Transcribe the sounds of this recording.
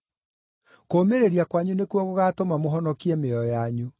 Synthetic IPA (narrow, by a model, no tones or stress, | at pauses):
koːmeɾeɾiakwaɲunekwɔɣoɣatomamoɦɔnɔkiɛmeɔjaɲu